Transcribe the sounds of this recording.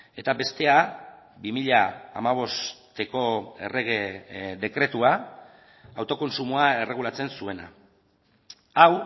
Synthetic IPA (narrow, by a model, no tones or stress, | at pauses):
e̞t̪abe̞st̪e̞a | bimiʎaa̰maβ̞o̞st̪e̞ko̞e̞̰reɣed̪e̞kɾe̞t̪ua | awt̪o̞ko̞nsumuae̞re̞ɣ̞ulat͡se̞nsue̞na̰ | aw